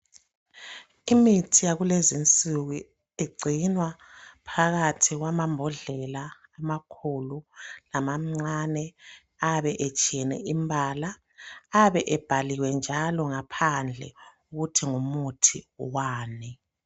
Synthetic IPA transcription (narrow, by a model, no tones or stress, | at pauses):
imitʰijaɣulezint͡sʼuɣu | eɡ͡ǀʱinwapʰaɣatʰiɣwamambʱɔɮɛlaː | makʰululamam̩ŋ͡ǀanɛ | aβɛʔɛt͡ʃʼiɛnɛ̰ʔimbʱalaː | βɛʔɛb̥ʱaliwɛnd͡ʒʱalɔŋapʰand͡ɮʱɛ̰ | uɣutʰiŋumutʰiwaːnɛ